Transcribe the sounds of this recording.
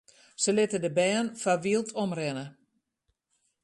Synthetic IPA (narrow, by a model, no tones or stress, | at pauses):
səlɪtədəbɛːnfaʋilˠtʰɔmrɛnə